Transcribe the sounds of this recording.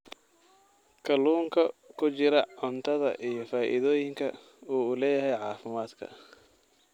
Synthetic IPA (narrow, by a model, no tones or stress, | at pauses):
kʰɐluːŋkʰɐkʰʊt͡ʃɪɾɐʕʊnt̪ʰɐðɐ̰ʔijɞfaːʔɪ̰ðɔːjɪŋkʰɐ | uːlɛːjɐɦɛjʕɑːfɪmaːd̪kʰɐ̰